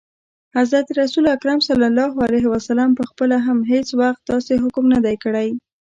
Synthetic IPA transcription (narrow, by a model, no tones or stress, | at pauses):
hazɾat̪ɾasulakɾamsalːalːɑɦalajɦwasalɑmpəxpəlaɦamɦet͡swaxt̪ːɑseɦʊkmnad̪ajkəɽaj